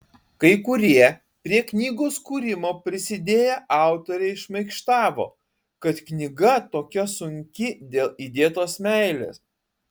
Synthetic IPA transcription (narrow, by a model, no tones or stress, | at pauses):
kɐɪkʊɾʲiɛ | pʲɾʲiɛknʲiːɡoːskuːɾʲɪmoːpʲɾʲɪsʲɪd̪ʲeːjɛʔɑˑʊt̪oːɾʲeɪʃmɐɪkʃt̪ɑːʋo̰ː | kɐt̪knʲɪɡɐt̪oːkʲɛsʊŋʲkʲɪd̪ʲeːlˠid̪ʲeːt̪oːsmʲæɪlʲḛːs